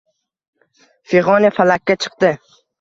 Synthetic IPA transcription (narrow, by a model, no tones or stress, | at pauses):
feʁɒnafalakʲːat͡ʃʰɨ̥q̚d̪ɪ